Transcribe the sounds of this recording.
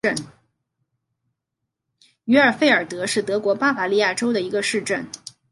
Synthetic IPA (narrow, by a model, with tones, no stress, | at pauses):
ə˥˩n | y˧˥ə˞˨˩fe˥˩ɪə˞˨˩t̪ɤ˧˥ʂɻ̩˥˩t̪ɤ˧˥kwɔ˧˥pa˥fa˧˩li˥˧ja˥˩ʈ͡ʂo˥ʊd̪ə˨i˧˥ɡə˧ʂɻ̩˥˧ʈ͡ʂə˥˩n